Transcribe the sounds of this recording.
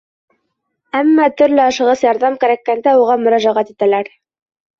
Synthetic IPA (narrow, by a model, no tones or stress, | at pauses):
æmːɑt̪ɵ̆ɾlɘɑʃɤ̆ʁɤsjɑɾðɑmkæɾækːænd̪æuʁɑmɵ̆ɾæɑʒæʁæt̪it̪ælæɾ